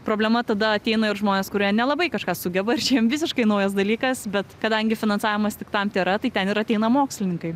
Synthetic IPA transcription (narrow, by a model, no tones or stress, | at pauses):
pɾoːbʲlʲɛmɐt̪ɐd̪ɐɐt̪ʲɛɪnɐɪɾʒmoːnʲeːskʊɾʲiɛnʲɛlˠɐbɐɪkɐʃkɑːsʊɡʲɛbɐɪrt͡ʃʲiːmʋʲɪs̬ʲɪʃkɐɪnɐʊjɛs̬d̪ɐlʲiːkɐsbʲɛt̪kɐd̪ɐŋʲɡʲɪfʲɪnɐnsɑːʋʲɪmɐst̪ʲɪkt̪ɐmt̪ʲeːɾɐt̪ɐɪtʲɛnɪɾɐtʲɛɪnɐmoːksʲlʲɪnʲɪŋkɐɪ